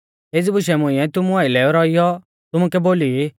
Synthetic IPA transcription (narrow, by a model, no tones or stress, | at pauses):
ed͡zibʊʃɛmʊ̃ɪ̃ɛ̃t̪ʊmuaːilɛːɔɾɔijɔ | t̪ʊmʊkɛboːli